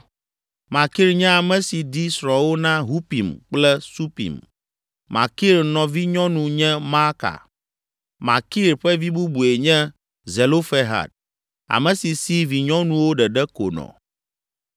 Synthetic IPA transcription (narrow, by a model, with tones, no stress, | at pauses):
ma˨ki˦ɾɲɛ̃˦a˨mɛ̃˨si˨di˦sɾɔ˨wo˦nã˦ɦu˦pi˨mk͡plɛ˦su˦pḭ˨m | ma̰˨ki˦ɾnɔ̃˨vi˦ɲɔ̃˦nũ˨ɲɛ̃˦ma˦ka̰˨ | ma̰˨ki˦ɾɸɛ˦vi˦bu˦bu˨e˨ɲɛ̃˦ | ze˨lo˦fe˦ɦa̰˨d̚ | a̰˨mɛ̃˨si˨si˦vi˨ɲɔ̃˦nũ˨wo˦ɖɛ˨ɖɛ˦ko̰˨nɔ̰̃˨